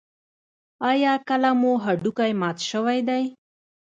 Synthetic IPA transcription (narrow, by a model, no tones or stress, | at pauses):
ɑjɑkəlamoɦaɖukajmɑt̪ʃəwajd̪aj